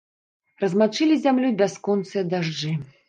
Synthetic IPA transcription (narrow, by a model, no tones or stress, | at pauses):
rɐzmat͡ʂɨlʲizʲamlʲubʲaskɔnt̪sɨjɐd̪aʐd͡ʐɨ